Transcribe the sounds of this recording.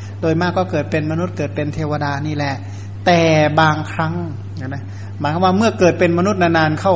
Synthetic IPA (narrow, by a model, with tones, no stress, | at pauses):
doː˧jmaː˥˩kːɔː˥˩kɤː˨˩t̪̚pe˧nma˧nu˦˥t̪̚kɤː˨˩t̪̚pe˧nt̪ʰeː˧wa˧daː˧niː˥˩lɛ˧˩ʔ | t̪ɛː˨˩baː˧ŋkʰɾa˦˥ŋ | a˧˩na˦˥ | maː˨˦jkʰa˧˩˦waː˥˩mɯ˥˩ɐkɤː˨˩t̪̚pe˧nma˧nu˦˥t̪̚naː˧naː˧nkʰa˥˩w